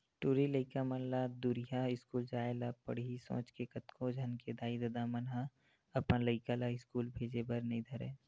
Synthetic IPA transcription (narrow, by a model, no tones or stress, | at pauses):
ʈuːɾiləɪkamənlad̪ʊɾɪjaɪskuːld͡ʒaːelapɐ̰ɽɦisõ̰ːt͡ʃkekɐt̪kʰõd͡ʒʱɐnked̪aːid̪ɐd̪amɐnɦa | ɐpnaləɪkalaɪskuːlbʱeːd͡ʒebəɾnɐĩd̪ʱɐɾḛː